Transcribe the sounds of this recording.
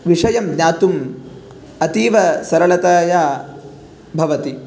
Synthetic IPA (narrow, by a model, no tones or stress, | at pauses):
ʋiʂɐjɐmd̪nʲjaːt̪um | ɐt̪iːʋɐsɐɾɐlɐt̪aːjaː | bʱɐʋɐt̪i